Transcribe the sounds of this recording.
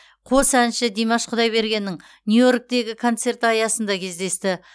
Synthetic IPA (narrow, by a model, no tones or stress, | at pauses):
qʰo̞sænʃɪd̪ijmɑʃqʰʊd̪ɑjbe̞ɾɡʲe̞nːɪŋ | njujo̞ɾk̚t̪e̞ɡʲɪkʰo̞nt̪se̞rt̪ɑjɑsənd̪ɑkʲʰe̞zd̪e̞st̪ɪ